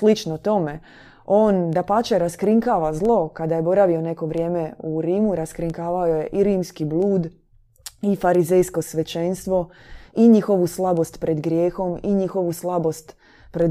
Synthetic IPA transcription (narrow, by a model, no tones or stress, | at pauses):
slit͡ʃnot̪o̞me | oːnd̪apat͡ʃeɾaskɾiŋkaːʋazlˠo̞kad̪aje̞bo̞ɾaʋio̞ne̞ko̞ʋɾje̞ːme̞uɾiːmuɾaskɾiŋkaːʋaoje̞ʔiɾiːmskiblˠuːd̪ | ifaɾizejsko̞sʋe̞t͡ʃenst̪ʋo̞ | iɲixo̞ʋuslˠabo̞st̪pɾe̞d̪ɡɾjeːxo̞miɲixo̞ʋuslˠabo̞st̪ | pɾed̪